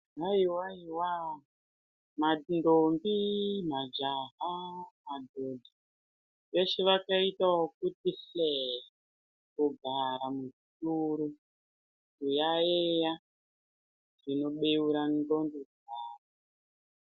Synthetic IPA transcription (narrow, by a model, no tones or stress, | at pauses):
ɦaiwaiwa | mandombimad͡ʒaɦamadʱodʱi | ʋe̞ʃeʋakaitawok̚utise | kuɡʱaɾamuʐituɾu | kujaeja | ʐino̞ɓeuɾandondud͡zaːra